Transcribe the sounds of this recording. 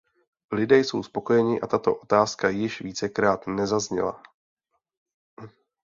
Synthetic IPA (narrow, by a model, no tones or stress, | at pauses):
lɪdɛːjso̞wspo̞ko̞jɛɲɪʔat̪at̪o̞̰ʔo̞t̪aːskajɪʃviːt͡sɛkɾaːt̪nɛzazɲɛ̰la̰